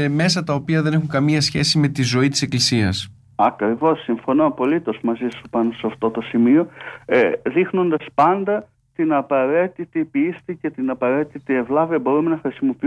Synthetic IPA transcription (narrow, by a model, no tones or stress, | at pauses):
me̞sɐt̪ɐo̞piɐðe̞ne̞xuŋkɐmiɐsçe̞sime̞t̪izo̞it̪i̥se̞klisiɐ̰s | ɐkɾivo̞sːiɱfo̞noɐpo̞lit̪o̞zmɐzisupɐnoseɐft̪o̞t̪o̞simio̞eðixno̞nd̪ɐspɐnd̪ɐ | t̪inɐpɐɾe̞t̪it̪ipist̪ice̞t̪inɐpɐɾe̞t̪it̪ievlɐviɐbo̞ɾume̞nɐxɾisimo̞pi